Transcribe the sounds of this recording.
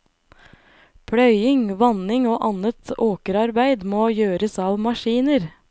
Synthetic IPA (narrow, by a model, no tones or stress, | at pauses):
pʰɽœʏɪŋʋɑnɪŋoːʔɑnət̪oːkəɾɑɾbæɪd̪moːjøːɾəsɑːʋmɑʃiːnəɾ